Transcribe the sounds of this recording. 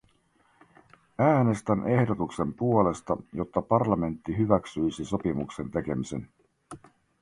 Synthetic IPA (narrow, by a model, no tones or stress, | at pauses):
æːne̞st̪ænʔe̞hdo̞t̪ukse̞mpuo̞le̞st̪ɑ̰jo̞t̪ːɑpɑrlɑme̞nt̪ːiɦyʋæksyjsiso̞pimukse̞nt̪e̞ke̞mise̞̰n